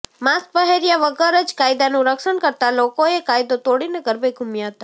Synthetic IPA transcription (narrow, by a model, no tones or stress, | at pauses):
maspəɦeɾijaʋəɡəɾəd͡ʒkajd̪anũɾəkʃəɳkəɾt̪alokoekajd̪ot̪oɽineɡəɾbeɡʱumjaɦət̪a